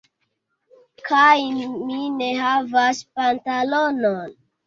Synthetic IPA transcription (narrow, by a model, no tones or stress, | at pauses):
kʰajmine̞ɦavaspantalonon